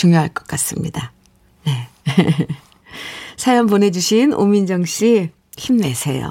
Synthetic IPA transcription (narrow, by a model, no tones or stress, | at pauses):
t͡ɕuŋjoɦaɭk͈ʌk͈as͈ɯmɲida | ne̞ | sʰajʌmpone̞d͡ʑuɕʰino̰mind͡ʑʌŋɕ͈i | çimnesʰe̞jo̰